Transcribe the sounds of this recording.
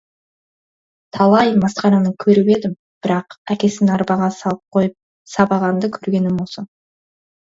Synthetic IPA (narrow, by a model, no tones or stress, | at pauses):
t̪ʰɑlˠɑjmɑsqɑnɑnəkʲʰɵɾɪbe̞d̪ɪm | b̥ɪɾɑqækʲe̞sɪnɑɾbɑʁɑsɑlˠəp̚qʰo̞jəp̚ | sɑbɑʁɑnd̪əkʲʰɵɾɡʲe̞nɪmwosən